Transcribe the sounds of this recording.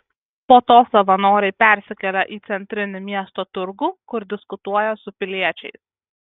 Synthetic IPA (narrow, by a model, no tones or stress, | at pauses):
poːt̪oːsɐʋɐnoːɾʲɛɪpʲɛˑɾʲsʲɪkʲɛlʲɛʔiːt̪sʲɛnʲt̪ʲɾʲɪnʲʊmʲiɛst̪oːt̪ʊɾɡuːkʊɾd̪ʲɪskʊt̪uɔjɛsʊpʲɪlʲiɛt͡ʃʲɛɪs